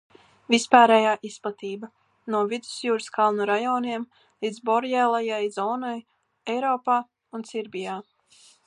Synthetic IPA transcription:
vispaːɾɛjaːʔisplˠat̪iːba | nuɔvid̪u̥sjuːɾskʰalˠnuɾajɔːniɛm | lˠid̪zbɔɾjɛlˠajajzɔːnɔj | ɛjɾɔːpaː | unsiɾbʲijaː

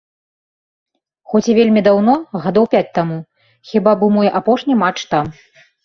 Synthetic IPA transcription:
xɔt͡sʲivʲelʲmʲid̪awn̪ɔɣad̪ɔwpʲat͡sʲt̪amu | xʲibabɨmɔjʔapɔʂnʲimat͡ʂt̪am

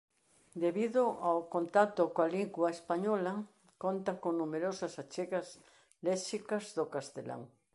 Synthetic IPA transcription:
d̪eβiðʊʔawkont̪at̪ʊkoaliɡwaespaɲɔlɐ | kont̪ɐkoŋnumeɾosɐsat͡ʃeɣɐz | lɛʃikɐzðʊkast̪ela̰ŋ

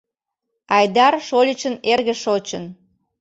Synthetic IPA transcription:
ɑjd̪ɑrʃolʲət͡ɕənerɣə̆ʃot͡ɕən

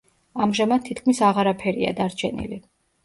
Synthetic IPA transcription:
amʒamad̪̚t̪ʰːit̪̚ʰkʰmisaʁaɾapʰɛɾḭa̰d̪aɾt͡ʃʰɛnḭli

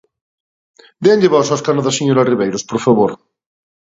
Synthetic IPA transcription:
benʎeβɔsaskanoðaseɲoɾariβejɾospoɾfaβoɾ

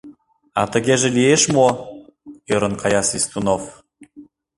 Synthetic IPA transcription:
ɑ̰t̪ə̆ɣʲeʒĕlieʃmo | øɾɤ̆nkɑjɑsist̪unof

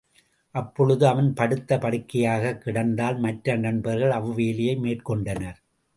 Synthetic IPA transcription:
ʔɐpːɔɻɯðɯɐʋɐnpɐɽɯt̪ːɐpɐɽɯkːɐjaːɣɐkːɪɽɐnd̪aːlmɐʈɾɐnɐnbɐɾɣɐɭɐʋɯʋeːlɪjɐɪmeːʈkɔɳɖɐnɐɾ

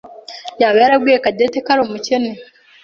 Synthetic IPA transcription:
jaβeɾaɡwiekadetekaɾomucene

